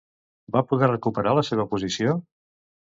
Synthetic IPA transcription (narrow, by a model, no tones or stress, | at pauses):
bapuðɛrəkupəɾaləseβ̞əpuzisio